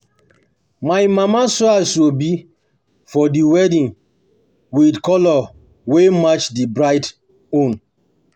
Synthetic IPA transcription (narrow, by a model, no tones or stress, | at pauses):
maɪmamasɔasobi | fɔdiwɛdĩn | widkɔlɔ | wemat͡ʃdibɹaɪt | õn